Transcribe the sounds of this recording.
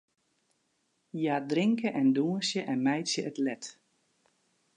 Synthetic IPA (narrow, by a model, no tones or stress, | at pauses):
jadrɪŋkəʔɛnduənsjəʔɛnmɛjtsjəʔətlɛt